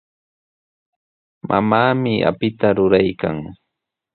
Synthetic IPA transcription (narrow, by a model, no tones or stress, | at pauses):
mʔa̰maːmɪʔa̰pɪt̪aɾʊɾajka̰ŋ